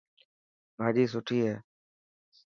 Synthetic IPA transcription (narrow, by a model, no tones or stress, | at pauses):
bʱaːd͡ʒiːs̬ʊʈʰiːɦɛː